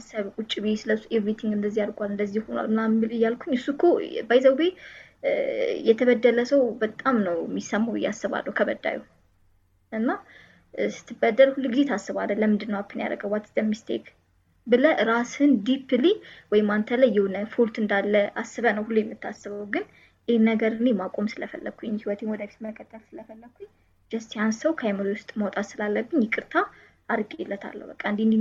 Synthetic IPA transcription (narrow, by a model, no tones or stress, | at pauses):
saβkʼut͡ʃʼːibesɨləsuʔevɾit̪ʰiŋɡɨnd̪əzːijaɾkʼalɨnd̪əzːihhonwa̰lmnamɨlɨjːalkʰuɲɨsukʰobəjzəwbe | jɛt̪ʰəβəd̪ːələsəwbət̪ʼamnəwmːisəmːaw̰jːa̰sːɨβa̰lːə̰hwkʰəβəd̪a̰jṵ | ʔɨnːa | sɨ̥t̪ʰːɨbəd̪ːəlhulːuɡizet̪ʰasːɨβalːənləmɨnd̪ɨnːəwakʰːɨnja̰ɾə̰ɡəwat̪ʰːɨd̪əmːist̪ʰḛk | bɨləʔɾashɨnd̪ipʰɨliwɔjɪmːant̪ʰələjːɛwnəfult̪ɨnd̪alːəasːɨβənəwhulːujɛmːɨt̪ʰːasːɨβəwɡɨn | ʔehnəɡəɾɨnemakʷʼo̞msɨləfə̰lːəɡ̥̚kʰːujɛɲːhiwɔt̪ʰenwɔd̪əfi̥t̪məkʰːət̪ʰːəlsɨləfəlːəɡkʰːu | d͡ʒəst̪jansəwkʰajmolwʊst̪ʼməwɔt̪ʼat̪sɨlalːəbːɨɲjɛkʼɨɾt̪ʰa | ʔaɾkʼɛlːət̪ʰa̰lːə̰wbəkʼːaɨnd̪ind̪i